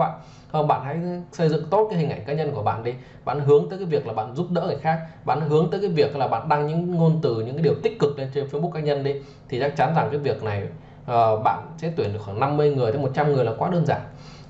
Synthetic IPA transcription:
a̰ː˧˨ | hə˧ŋ͡mɓa̰ː˧˨nha̰˧˥jsə˧jzɨ̰˧˨ŋt̪o˦˥t̚kaː˨˦jhi˨˩ʔa˧˩jŋkaː˨˦ɲə˧nku˧˩əɓa̰ː˧˨nɗi˨˦ | ɓa̰ː˧˨nɦɨ˨˦əŋəː˨˦kaː˨˦jvi˨˩ək̚laː˨˩ɓa̰ː˧˨nzu˦˥p̚ɗə̰ː˧˥kaː˧˩jxaː˦˥k̚ɓa̰ː˧˨n˦ɦɨ˨˦əŋt̪əː˨˦jkaː˨˦jvi˨˩ək̚laː˨˩ɓa̰ː˧˨nɗa˧ŋɲɨ̰˧˥ŋŋo˧nt̪ɨ˨˩ɲɨ̰˧˥ŋkːaː˨˦ɗi˨˩əwt̪ï̟˥kɨ˨˩k̚le˧nt͡ɕe˧nfe˧˦˧ɓu˦˥kːaː˧˦ɲə˧nɗi˨˦ | t̪ʰi˨˩t͡ɕa˦˥k̚t͡ɕa˨˦nza˨˩ŋkaː˨˦jvi˨˩ək̚na˨˩j | ʔəː˨˩ɓa̰ː˧˨nsɛ̰˧˥t̪wi˧˩ənɗəkxwaː˧˩ŋna˧mːɨ˧əjŋɨ˨˩əj̪ʰjmo˨˩t̚t͡ɕa˧mŋɨ˨˩əjlaː˨˩kwaː˨˦ɗəː˧nzaː˧˩n

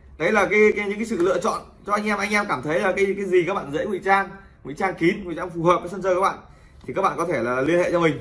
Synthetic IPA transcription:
ɗə˨˦jlaː˨˩kaː˨˦jka˨˦jɲɨ̰˧˥ka˨˦sɨ̰˧˨lɨ̰˧˨ət͡ɕɔ̰˧˨n | t͡ɕɔ˧ʔa˧jŋ̟ʔɛ˧mʔa˧jŋ̟ʔɛ˧mkaː˧˩mt̪ʰə˨˦jlaː˨˩kaː˨˦jkaː˨˦jzi˨˩kaː˦˥k̚ɓa̰ː˧˨zə̰˧˥jŋwḭ˧˨t͡ɕaː˧n | ŋḭ˧˨t͡ɕaː˧nki˨˦nŋwi˧˨zaː˧fu˨˩həː˨˩p̚aː˨˦jsə˧nzəː˧kaː˦˥ɓa̰ː˧˨n | t̪ʰi˨˩kaː˦˥k̚ɓa̰ː˧˨kɔ˨˦e˧˩laː˨˩li˧ənhḛ˧˨t͡ɕɔ˧mï˨˩ŋ̟

